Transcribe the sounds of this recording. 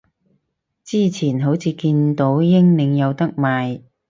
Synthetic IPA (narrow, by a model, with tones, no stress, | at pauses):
t͡siː˥˩t͡sʰiː˨˩nɦo˨˥wt͡sʰiː˨˧kiː˧nt̪o˨˥wjɪ˥ŋnɪ˨˧ŋjɐ˨˧wt̪ɐ˥k̚maː˨j